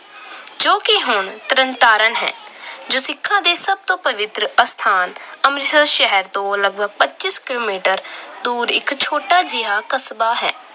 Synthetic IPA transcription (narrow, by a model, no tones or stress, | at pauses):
d͡ʒoːkɪɦʊɳt̪əɾənt̪aːɾənɦɛ̰ːd͡ʒoːsɪkʰːãːd̪eːsəb̚t̪õːpəʋɪt̪ɾəəst̪ʰaːnəmɾɪtəlʃɛɦəɾt̪õːləɡ̚bʱəɡ̚pətːt͡ʃɪskɪloːmiːʈəɾd̪uːɾɪ̰kt͡ʃʰoːʈaːd͡ʒɪaːkəsbaːɦɛ̰ː